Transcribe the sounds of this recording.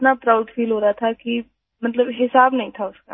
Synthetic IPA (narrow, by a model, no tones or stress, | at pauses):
t̪napɾaːʊɖfiːlɦoːɾaat̪ʰaki | mɐt̪ləbɦɪsaːbnɐɦĩt̪ʰaʊska̰ː